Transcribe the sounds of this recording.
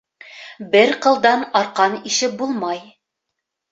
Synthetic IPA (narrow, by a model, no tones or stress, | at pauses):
bɘɾqɤ̆lˠd̪ɑnɑɾqɑniʃɘp̚bulˠmɑj